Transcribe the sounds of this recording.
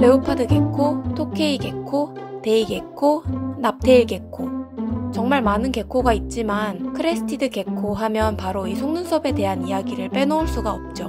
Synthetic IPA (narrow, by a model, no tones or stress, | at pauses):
le̞opʰadɯɡe̞kʰotʰokʰe̞iɡe̞kʰo | te̞iɡe̞kʰonap̚t͈ʰe̞iɭke̞kʰot͡ɕʌŋmaɭmanɯnke̞kʰoɡait̚t͡ɕ͈imankʰɯɾesʰɯ̥tʰidɯke̞kʰoɦamjʌnpaɾoisʰoŋnunsʰʌbe̞te̞ɦanijaɡiɾɯɭp͈e̞nouɭs͈uɡaʌp̚t͡ɕ͈o